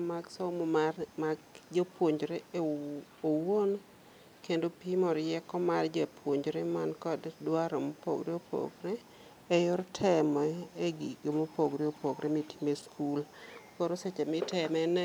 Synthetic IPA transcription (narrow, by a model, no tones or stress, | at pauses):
maɡsomomarmaɡd͡ʒopwoɲd͡ʒɾe | owon | kendopimɔɾjɛkɔmard͡ʒpʰwoɲd͡ʒɾemankɔddwaɾomopo̰ɡɾeopʰo̰ɡɾɛː | jʊɾtʰɛmɔeɡiɡomopoɡɾeopoɡɾemiti̥meskʰulkoɾoset͡ʃɛmɪtʰɛmɛnɛ